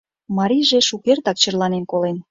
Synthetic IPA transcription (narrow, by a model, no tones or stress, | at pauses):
mɑɾʲiʒeʃukert̪ɑk̚t͡ɕərlɑnenkolen